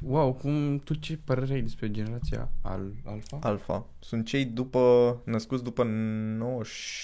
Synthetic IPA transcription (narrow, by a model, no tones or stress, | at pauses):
wawkumt̪ot͡ʃe̞pəɾeɾeajd̪espɾe̞d͡ʒe̞neɾat̪sia̰a̰la̰lfaalfa̰ | sunt̪̚t͡ʃe̞jd̪upənəskut̪sd̪upənowəʃ